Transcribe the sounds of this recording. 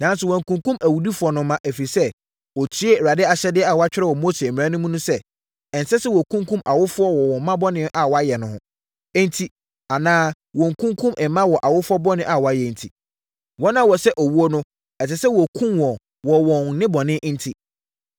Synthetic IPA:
nã˨˦nsʊ˨wɔ̃˨ŋ̩˨kũ˨ŋkũ˦mʔæ˨wu˨di˦fʊ˨ɔ˨nʊ̃˨mːã˦ʔe˨fi˨i˨sɛ˦ | wɔ˨tʰi˦e˦˨ɾa˨dɪ˦a˨ɕɛ˦dɪ˦ɛ˦a˨wɔ˨˦a˦t͡ɕᶣɪ˦ɾɛ˦wɔ˨mo˦se˨mɪ̃˨ã˦nʊ̃˦mũ˦nʊ̃˦sɛ˦ | ɛ˨n˨sɛ˦sɛ˦wɔ˨kʰũ˦ŋkʰũ˦mʔa˨wʊ˦fʊ˦ɔ˦wɔ˨wɔ̃˨˦mã˦bɔ˦nɪ̃˦ʔa˨wɔ˨a˦jɛ˨nʊ̃˨hʊ̃˦ | ɛ˦n˦tʰi˦ | a˨nãː˦ | wɔ̃˨ŋ̩˨kʰũ˦ŋkʰũ˦mʔɛ˨mːã˦wɔ˨ʔa˨wʊ˦fʊ˦ɔ˦bɔ˦nɪ̃˦ʔa˨wɔ˨a˨jɛ˨n̩˨tʰi˨ | wɔ̃˦nã˦wɔ˨sɛ˦ʔɔ˨wu˦o˦nʊ̃˦ | ɛ˨sɛ˨sɛ˦wɔ˨kʰũ˦mwɔ̃˨ | wɔ˨wɔ̃˨nnɪ̃˦bɔ˨nɪ̃˦ʔn̩˦tʰi˦

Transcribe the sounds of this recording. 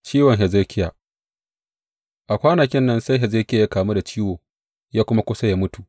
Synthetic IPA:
t͡ʃiː˦wɔ˨ŋɦɛ˨ze˦kʲɪ˦ja˨ | ʔa˨kʷaː˦nɐ˨kʲɪ˦nːɐ˦nsa˦jɦɛ˨za˦kʲɪ˦ja˨ja˦kaː˨mu˦da˨t͡ʃiː˦woː˨ | jaː˦kʷʊ˦ma˦kʷʊ˦sa˦jaː˦mʊ˦tu˨ʔ

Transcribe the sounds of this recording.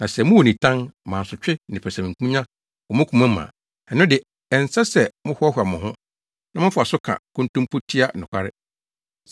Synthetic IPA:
nã˨sɛ˨mʊ̃˦wo˨nĩ˨tʰã˦nmã˨n˨sʊ˨t͡ɕᶣɪ˦nɪ̃˨pʰɛ˨sã˨kʰũ˦ɲã˦ | ɔ˨mʊ̃˦kʰʷũ˨mã˦mã̰˨ | ɛ˨nʊ̃˦dɪ˨ | ɛ˨n˨sa˦sɛ˨mʊ̃˦hʊ˦ɔ˦ɦa˨mʊ̃˨ɦʊ̃˦ | nã˦mʊ̃˦fʊ˦˨a˨sʊ˦kʰã̰˨kʰʊ̃˦ntũ˦mpʰo˦tʰi˦a˦˨nʊ̃˨kʷʰa˦ɾɪ˦

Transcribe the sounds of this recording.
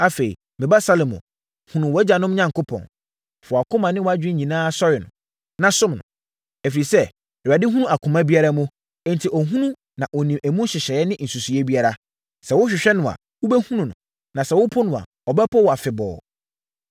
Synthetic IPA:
a˦fe˨ḭ˨ | mɪ̃˨ba˦sa˦lmʊ̰̃˨ | hũ˨nʊ̃˨wɛ˦d͡ʑa˨nʊ̃˦mɲã˦˨ŋ˨ko˦pʰɔ̰̃˨n | fʊ˨a˨kʰʊ˦mã˨nɪ̃˦wa˦d͡ʑᶣɪ˦ɲĩ˨nãː˦sɔ˦ɾɪ˨nʊ̰̃˨ | nã˨sʊ̃˦mnʊ̰̃˨ | ɛ˨fi˨ɾi˨sɛ˦˨ | a˨dɪ˦ɦũ˦nũ˦a˨kʰʊ̃˨mã˦bi˦a˦ɾa˦mʊ̃˦ | n˨tʰi˨ʔɔ˨ɦũ˦nũ˦ | nã˨ʔɔ˨nĩ˨mæ˨mũ˦n˦ɕɪ˨ɕɛ˨ɛ˦nɪ̃˦n̩˨su˨su˨ɛ˦bi˦a˦ɾa˦ | sɛ˨wʊ˦ɕᶣɪ˨ɕᶣɛ˦nʊ̃˨a̰˨ | wʊ˦bɛ˦hũ˦nũ˨nʊ̰̃˨ | nã˨sɛ˨wʊ˦pʰʊ˦nʊ̃˨a̰˨ | ɔ˨bɛ˦pʰɔ˦wɔ˨a˨fɪ˨bɔ̰ː˨

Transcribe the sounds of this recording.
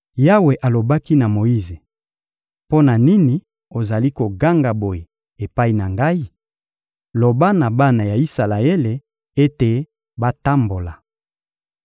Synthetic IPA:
ja˦we˨ʔa˨lo˨ba˦ki˦na˨mo˨i˦ze˨ | po˦na˨ni˦ni˨ | o˨za˨li˦ko˨ɡa˦ŋɡa˨bo˨je˨ | e˨pa˦i˦na˨ŋɡa˦i˦ | lo˨ba˦na˨ba˦na˨ja˨i˦sa˨la˨e˦le˨ | e˦te˨ | ba˦ta˦mbo˨la˨

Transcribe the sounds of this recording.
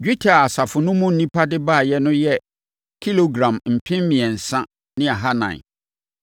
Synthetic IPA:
d͡ʑᶣu˦tʰa˨a˨sa˨fʊ˨nʊ̃˦mʊ̃˦n̩˨nĩ˦pʰa˦dɪ˦ba˦˨jɛ˦nʊ̃˦jɛ˦ | kʰi˦lo˨ɡɾã˨mm̩˨pʰɪ̃˦m˦mĩ˨ɛ˨n̩˨sã˦ | nɪ̃˦a˨ɦa˦nã̰˨n˨

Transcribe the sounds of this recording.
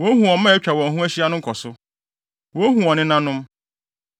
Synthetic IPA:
wɔ˦hũ˨ɔ̃˨˦mã˦˨ɛ˦t͡ɕᶣa˨wɔ̃˨ɦũ˦æ˦ɕi˦a˦nʊ̃˦ŋ˦kʰɔ˨sʊ˦ | wɔ˦ɦũ˨ɔ̃˨nɪ̃˦nã˦nʊ̃˦m

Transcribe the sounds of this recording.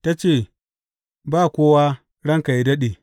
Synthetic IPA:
ta˦t͡ʃeː˦˨ | baː˦˨kʷoː˦wa˦ | ɽɐ˦ŋka˨ji˦dɐ˦ɗeː˨

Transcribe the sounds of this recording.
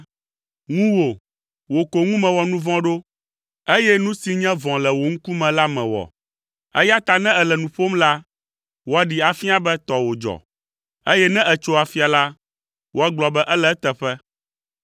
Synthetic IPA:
ŋũ˦wo˨ | wo˨ko˨ŋũ˦mɛ̃˨wɔ˨nũ˦vɔ̃˦ɖo˦ | e˦jɛ˦nũ˦si˦ɲɛ̃˦vɔ̃˨lɛ˨wo˨ŋ̩˦ku˦mɛ̃˨la˦mɛ̃˨wɔ̰˨ | ɛ̰˦ja˦t̪a˨nɛ̃˦ɛ˨lɛ˨nũ˨ɸo˦mla˦ | wo˨a˨ɖi˨a˨fi˦a˦˨bɛ˦t̪ɔ˨wo˨d͡ʒɔ̰˨ | e˦jɛ˦nɛ̃˦ʔɛ˨t͡ʃo˦a˨fi˦a˨la˦ | wo˨a˦ɡ͡blɔ˨bɛ˦ʔɛ˦lɛ˦t̪ɛ˨ɸɛ˦

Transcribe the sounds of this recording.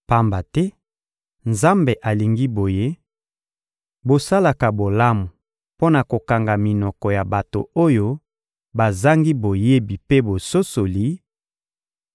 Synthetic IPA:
pa˦mba˨tɛ˦ | nza˦mbe˨ʔa˨li˨ŋɡi˦bo˨je˦ | bo˨sa˦la˨ka˨bo˨la˦mu˨ | po˦na˨ko˨ka˨ŋɡa˨mi˨nɔ˨kɔ˨ja˨ba˨to̰˨o˦jo˦ | ba˨za˦ŋɡi˦bo˨je˦bi˨pe˦bo˨so˦so˨li˨˦

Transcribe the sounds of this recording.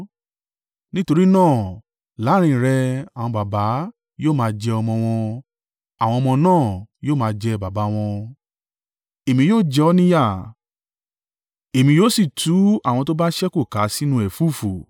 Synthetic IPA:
nĩ˦to˧ɾi˦nãː˦˨ | la˨˦ɾ̃ĩ˧˨ɾɛ˧ã˨ɔ̃˧ba˨ba˨˦ | joː˦˨mãː˧d͡ʒɛ˧ɔ˧mɔ̃˧w̃ɔ̃˧ | a˨w̃ɔ̃˧ɔ˧mɔ̃˧nãː˦˨joː˦˨mãː˧d͡ʒɛ˧ba˨ba˨˦w̃ɔ̃˧ | e˨mĩ˧joː˦˨d͡ʒɛ˧ɔ˦nĩ˦ja˦˨ | e˨mĩ˧jo˦si˦˨tʰu˨˦a˦˨wɔ̃˧to˦ba˦ʃɛ˦ko˦˨ka˨˦si˦nũ˧ɛ˨fu˦˨fo˨

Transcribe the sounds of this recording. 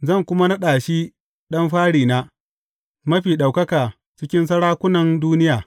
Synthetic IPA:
zɐ˦˨ŋkʷʊ˦ma˦nɐ˦ɗaː˨ʃi˦ | ɗɐ˦mɸaː˦ɽiː˨naː˦ | mɐ˦ɸiː˨ɗa˨wkɐ˦kaː˨ | t͡ʃɪ˦kʲɪ˦ns̬ɐ˦ɽaː˦kʷʊ˦nɐ˨nduː˦nɪ˦jaː˨

